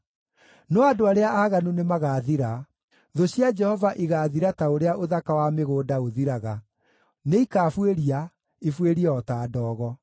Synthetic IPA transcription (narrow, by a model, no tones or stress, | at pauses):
nɔadoaɾeaʔaːɣanunemaɣaːðiɾa | ðoɕjad͡ʒɛhɔvaʔiɣaːðiɾataoɾeaʔoðakawameɣoːdaoðiɾaɣa | neikaːfweɾia | ifweɾiɔtaːdɔːɣɔ